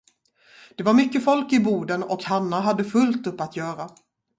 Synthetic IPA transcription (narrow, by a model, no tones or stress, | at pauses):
d̪̥ɛvaɾmʏkːəfɔlkɪbuːd̪ənɔkhanːaɦad̪ːəfɵlt̪ɵpːat̪jœːɾa